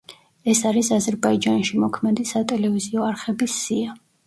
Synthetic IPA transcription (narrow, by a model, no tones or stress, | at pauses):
ɛsaɾisazɛɾbaid͡ʒanʃimɔkʰmɛd̪isat̪ʼɛlɛviziɔaɾχɛbisːia